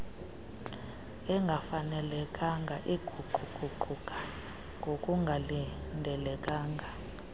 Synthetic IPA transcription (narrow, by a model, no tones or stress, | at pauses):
ɛŋɡʱafanɛlɛkʼaŋɡʱaʔiɡ̥ʱuǃʱuɡ͡ǃ̥ʱuǃʱukʼḁ | ŋɡʱokʼuŋɡʱalindʱɛlɛkʼaːŋɡʱa